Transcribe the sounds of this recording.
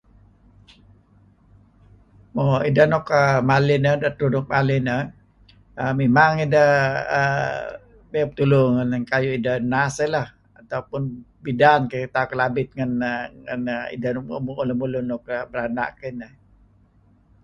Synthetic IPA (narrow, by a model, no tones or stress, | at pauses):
moidanɔkəmalɪnədat̪unʊk̚malɪnə | əmemaŋidəhə̰ | bep̚t̪ulʊŋənkajuidanasəlah | at̪aupʊn | bidankəit̪akəlabɪt̪̚ŋanŋa̰nḭdanmuuləmulunɔk̚əbəɾana̰ʔkənəh